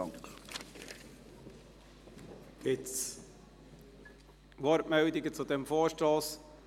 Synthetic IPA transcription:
ŋk | ɪt͡s | ʋɔɾmɛwd̪ɪɡət͡sud̪ɛmfoːʃtɾoːs

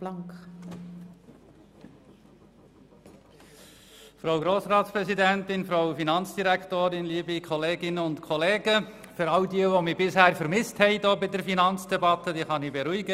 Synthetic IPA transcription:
lɑŋk | fɾowɡɾoːsɾɑːtspɾɛsidæntɪnfɾaʊwfinɑnt͡sd̥iɾæktoːɾɪnliːbikʰɔleːɡɪnəʊntkʰɔleːɡəfʏɾɑʊdiːəʋomibɪshæːɾfəɾmɪsthɛɪdoːbɪdəɾfinɑnt͡sd̥ɛbɑt̪əd̥iːχɑnibɛɾuiɡə

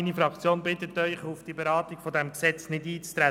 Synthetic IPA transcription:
inifɾɑkt͡sjoːnbɪt̪ətœʏχufd̥iəbeɾɑːtiɡ̥fɔdɛmksɛt͡snɪdiːt͡st̪ɾɛ

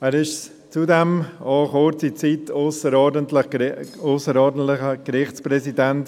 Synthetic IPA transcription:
ɛːɾɪʃ | t͡sudɛmɑːχoːt͡sit͡sitʰoʊsəɾɔːdəntlɪχoʊsəɾɔːdən̩tlɪχəkɾɪχt͡ssprɛsidɛnt

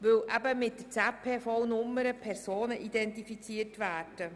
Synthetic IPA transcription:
ʋɵwʔæbəmɪt̚dəɾt͡sɛpʰeːfɔwnʊmːəɾəpʰɛɾsoːnəʔid̪ɛntifit͡siərtʋæːrd̥ə

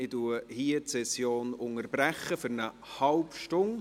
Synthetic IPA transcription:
ɪduəhiətsɛsjoːnʊŋəɾbɾæχːəfʏɾnə | hɑlpʃtʊŋ

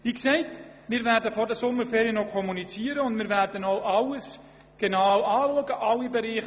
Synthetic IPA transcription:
ʋiːksɛɪt | mɪːɾvɛːɾdəfɔɾdəsʊmːəɾfeːɾiənɔkʰɔmunit͡siːəɾəʊndmɪːɾvæɾd̥ənoʊʔɑləs | ɡ̥enawɑːluəɡəʔɑlibeɾiːχ

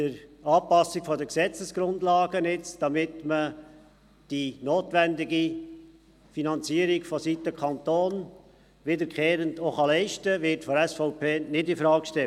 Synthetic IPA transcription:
dəɾɑːpɑsːikfɔdəksɛt͡səsɡ̥ɾʊndlɑːɡənɪt͡sd̥ɑmɪtmə | d̥inoːtʋɛndɪɡi | finɑnt͡siəɾikfɔsitəkʰɑnt̪oːn | ʋɪdəɾkχeːɾəndoχɑlɛɪʃtəʋɪɾtfɔɾɛsfɔʊpʰeːnɪdɪnfɾɑːkʃtɛ

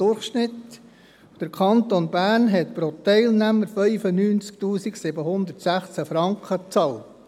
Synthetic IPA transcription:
ʊrχʃnɪt̪ | d̪̥əɾkʰɑnt̪onbæːrnɦɛt̪pɾot̪ɛɪlnæməɾfœʏfənyːnt͡sk̚t̪uːsiksɪbəɦʊnd̪əɾtsæχt͡sæfɾɑŋkχət͡sɑːlt

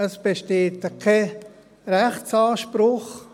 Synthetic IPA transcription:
əsb̥eʃteːtəkʰe | ɾɛχt͡sɑːʃpɾʊχ

